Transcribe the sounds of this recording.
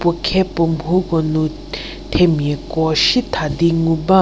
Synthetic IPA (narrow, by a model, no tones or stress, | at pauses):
pokʰɛpompʰukonu | t̪ʰemːekɔɕit̪ʰad̪iŋupa